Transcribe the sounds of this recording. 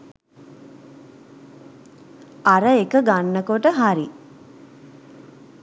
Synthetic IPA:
aɾəekəɡanːəkoʈəɦaɾi

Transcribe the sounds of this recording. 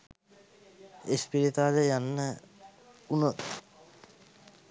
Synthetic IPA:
espiɾit̪aːɾejanːə | unot̪

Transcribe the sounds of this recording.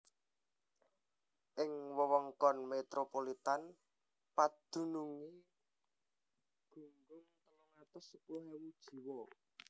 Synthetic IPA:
ʔɪŋwəwɔŋkɔnmet̪ɾopolit̪an | pad̪̥ṳnuŋi | ɡ̥ṳŋɡʊŋt̪əlɔŋat̪ʊsəpuɦewud̥ʒ̥i̤wɔ

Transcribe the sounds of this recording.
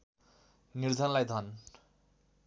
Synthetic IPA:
niɾd̪ʱanlajd̪ʱɔn

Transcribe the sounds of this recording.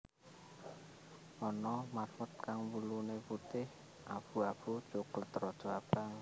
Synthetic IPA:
ɔnɔmarfʊt̪̚kaŋwuluneput̪ɪh | ʔab̥ṳab̥u̥t͡ʃokʊlt̪ɾɔd̥ʒ̥ɔab̥aŋ

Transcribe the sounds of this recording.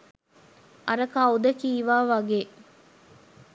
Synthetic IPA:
ʔɐɾɐkaud̪əkiːʋaːʋɐɡeː

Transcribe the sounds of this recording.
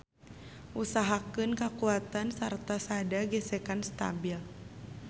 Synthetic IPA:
ʔusaɦakɨnkakuat̪ansart̪asadaɡɛsɛkanst̪a̰bil

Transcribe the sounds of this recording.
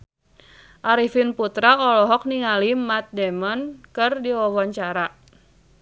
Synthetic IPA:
ʔaɾifinput̪ɾaɔlɔɦɔk̚niŋalimat̪̚dɛmɔnkɨrdiwɔwɔɲt͡ʃaɾa

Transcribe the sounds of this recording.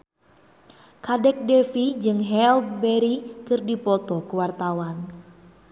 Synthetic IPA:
kadɛk̚dɛfid͡ʒɨŋɦɛlbɛɾikɨrdipɔt̪ɔkuwart̪awan

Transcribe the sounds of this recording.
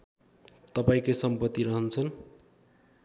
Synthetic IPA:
t̪ʌpaĩkosʌmpʌt̪ːiɾʌɦʌnt͡sʰʌn

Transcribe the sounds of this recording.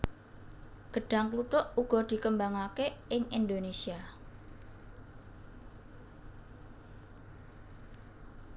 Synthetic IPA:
ɡ̥ə̤ɖ̥a̤ŋklut̪ʊʔuɡ̥ɔ̤d̪̥i̤kəmbaŋakeʔɪŋʔind̪onesia

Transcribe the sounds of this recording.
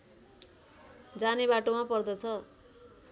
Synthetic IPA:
d͡zanebaʈomapʌrd̪ʌt͡sʰʌ

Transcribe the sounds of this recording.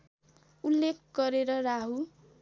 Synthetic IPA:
ulːekʰɡʌɾeɾʌraɦu

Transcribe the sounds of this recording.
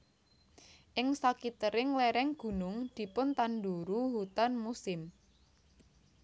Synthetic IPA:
ʔɪŋsakit̪əɾɪŋlɛɾɛŋɡ̥ṳnʊŋd̪̥i̤pʊnt̪and̪uɾuhut̪anmusɪm

